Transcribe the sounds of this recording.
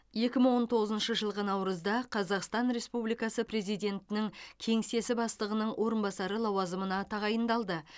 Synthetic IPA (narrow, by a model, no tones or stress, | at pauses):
je̞kʲɪməɴwo̞nt̪ʰo̞ʁəzənʃəʒəlˠʁənɑwɾəzd̪ɑqʰɑzɑqst̪ɑnɾe̞spublijkɑsəpɾe̞zijd̪ʲe̞nt̪ɪnɪŋkʲʰe̞ŋse̞sɪbɑst̪ˠəʁənəɴwʔo̞ɾənbɑsɑɾəlˠɑwɑzəmənɑt̪ʰɑʁɑjənd̪ɑlˠd̪ə